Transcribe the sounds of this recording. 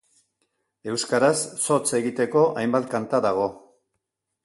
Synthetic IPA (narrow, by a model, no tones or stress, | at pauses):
e̞wskaɾasːo̞t͡se̞ɣit̪e̞ko̞ʔajmbat̪̚kant̪aðaɣ̞o̞